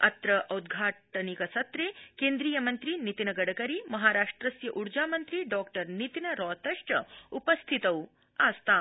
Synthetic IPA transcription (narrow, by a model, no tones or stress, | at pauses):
ɐt̪ɾɐʔɐwd̪ɡʱaʈnikɐsɐt̪ɾekend̪ɾiːjɐmɐnt̪ɾiːnit̪inɐɡɐɽəkɐɾiːmɐɦaɾaːʂʈɾɐsjɐʔuɾd͡ʒamɐnt̪ɾiːɖɔkʈəɾnit̪inɐɾɔt̪ɐʂʈɐupəst̪ʰit̪ɐw | ast̪a